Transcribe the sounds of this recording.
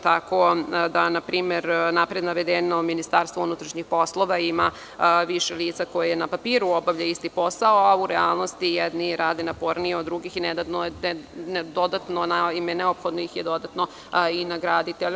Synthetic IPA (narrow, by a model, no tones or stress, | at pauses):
t̪akod̪anapɾiːmeɾnapɾed̪naʋed̪enominist̪aːɾst̪ʋounut̪ɾaʃɲixpo̞slˠo̞ʋaima | ʋiʃeliːt̪sako̞jejenapapiːɾuobaʋʎaist̪ipo̞saoauɾealˠno̞st̪ijɛd̪niɾaːd̪enapo̞ɾnijeod̪ɾuɡixined̪at̪nond̪od̪at̪nonaimeneopxod̪noixjed̪o̞d̪at̪no̞ | inaɡɾad̪it̪eʎ